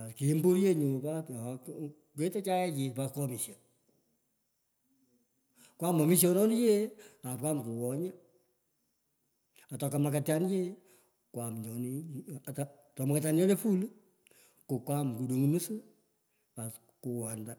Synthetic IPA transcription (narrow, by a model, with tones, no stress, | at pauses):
a˨ski˨˦mbo˦ɾje˦ɲo˨pa˦˨ | ke˦te˦t͡ʃa˦ɛ˦t͡ʃi˨paskɔ˧mi˨ʃja˨ | kwa˦mɔ˨mi˦s̬jɔ˧nɔ˦ni˦je˦a˨p̚kʷwa˦mku˨wɔ˨ɲa˦ | a˨tɔ˨ka˨ma˨ka˨tja˦nje˦ | kwa˨md͡ʒɔ˨ni˦˨ta | tɔ˨ma˨katja˦nd͡ʒɔ˦ne˦fu˦lu˦ | ko˨kwa˦mku˨du˨ŋu˨nu˦sɨ˦ | pas | ku˨wa˨nda˦